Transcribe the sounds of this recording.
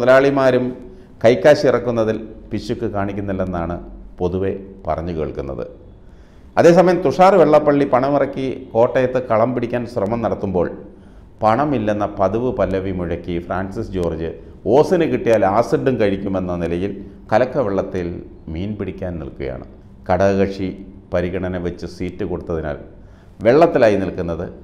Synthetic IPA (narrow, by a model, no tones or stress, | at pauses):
ðɐlaːɭimaːɾum | kɐjkːaːɕiirɐkːunːɐðilpiɕːukːɨkaːɳikʲːunːilːenːaːɳɨpo̞ðuʋe̞pɐ̰rɐɲːuke̞̰ːɭkunːɐ̰ðɨ̰ | ɐðe̞ːsɐmɐjɐmt̪uʂaːrɨʋeɭːɐpːɐɭːipɐɳɐmirɐkːiko̞ːʈːɐjɐt̪ːɨkɐɭɐmpiɽikʲːaːnɕrɐmɐmnɐɽɐt̪ːumbo̞ːɭ | pɐɳɐmilːenːɐpɐðuʋɨpɐlːɐʋimuɻɐkːifraːnsisd͡ʑo̞ːrd͡ʑɨ | o̞ːsinɨkiʈːijaːlaːsiɖːumkɐɻikʲːume̞nːɐnilɐjil | kɐlɐkːɐʋeɭːɐt̪ːil | miːnpiɽikʲːaːnnḭlkuɣɐja̰ːɳɨ̰ | kɐɽɐɣɐʂi | pɐɾiɣɐɳɐnɐʋet͡ɕːɨsiːtːɨko̞ɽut̪ːɐðina̰ːl | ʋe̞ɭːɐt̪ːilaːjinilkunːɐðɨ